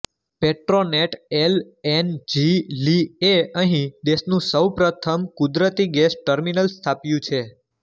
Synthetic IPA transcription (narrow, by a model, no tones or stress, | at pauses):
peʈɾoneʈel | end͡ʒilieəɦĩd̪esnũsəwpɾət̪ʰəmkʊd̪ɾət̪iɡɛsʈəɾminəlst̪ʰapjũt͡ʃʰe